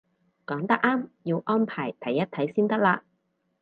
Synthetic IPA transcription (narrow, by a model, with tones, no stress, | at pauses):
kɔː˨˥ŋt̪ɐ˥k̚ʔaː˥mjiː˧wʔɔː˥npʰaː˨˩jt̪ʰɐ˨˥jːɐ˥t̪ʰɐ˨˥jsiː˥nt̪ɐ˥k̚laː˧